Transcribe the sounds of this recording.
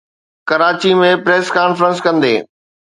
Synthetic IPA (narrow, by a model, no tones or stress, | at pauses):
kɐɾaːt͡ɕimẽpɾeːskaːnfɾə̃nskɐ̃nd̪ḛː